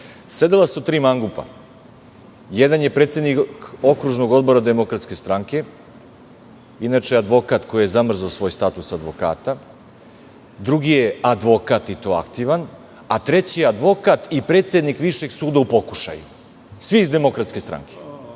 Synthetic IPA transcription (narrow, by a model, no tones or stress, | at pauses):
se̞d̪ilˠasut̪ɾiːmaŋɡupa̰ | jed̪anje̞pɾe̞ːt̪seniko̞kɾuʒno̞ɡo̞d̪bo̞ɾad̪e̞mo̞kɾat̪ske̞st̪ɾaŋke̞ | inat͡ʃead̪ʋo̞kat̪ko̞jije̞zamr̩zaosʋo̞ːjst̪at̪usad̪ʋo̞ka̰ːt̪a | d̪ɾuɡije̞ad̪ʋo̞kat̪it̪o̞ːa̰kt̪iʋan | at̪ɾe̞t͡ɕijead̪ʋo̞kat̪ipɾet̪se̞d̪nikʋiʃe̞ɡsuːd̪aupo̞kuʃa̰jṵ | sʋiːzd̪e̞mo̞kɾat̪ske̞st̪ɾa̰ŋkʰe̥